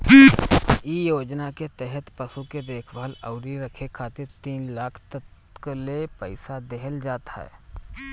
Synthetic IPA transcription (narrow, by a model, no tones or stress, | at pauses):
ijoːd͡ʒnaket̪ɛɦɛt̪pɐsuked̪eːkʰbaːlɐ̰ʊɾiɾɐkʰekʰaːt̪ɪɾt̪iːnlaːkʰt̪ət̪ | kəlepəɪsad̪eɦəld͡ʒaːt̪a̰ɦɛ̰ː